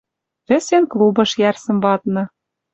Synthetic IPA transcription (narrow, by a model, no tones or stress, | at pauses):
βɘ̆senklˠubɤ̆ʃjærsɤ̆mbɑt̪̚nɤ̆